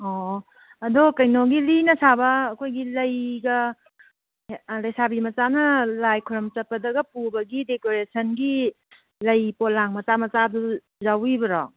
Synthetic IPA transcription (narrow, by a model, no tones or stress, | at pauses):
ɔ | ɐdokɐjnoɡilinɐsabɐːkʰojɡilɐjɡɐ | lɐjsabimɐt͡ʃanɐlajkʰuɾɔmt͡ʃɐpːɐdɐɡɐpubɐɡidekoɾesʰɐnɡi | lɐjpolaŋmɐt͡ʃamɐt͡ʃadu | zawibɐɾɔ